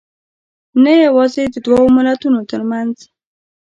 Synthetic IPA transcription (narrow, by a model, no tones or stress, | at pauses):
najawɑzed̪əd̪wawomɪlat̪unot̪əɾmanz